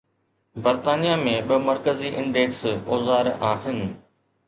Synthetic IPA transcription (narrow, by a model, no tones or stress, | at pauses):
bɐɾt̪aːnijamẽɓɪmɐɾkəziʔɪ̰̃ɳɖeːksoːzaːɾaːɦɪnɪ̆